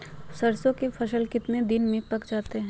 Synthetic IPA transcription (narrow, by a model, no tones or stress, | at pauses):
sɐɾsõkefʰɐʃəlkɪt̪nẽd̪ɪnmẽpɐkd͡ʒaːt̪eɦɛ̃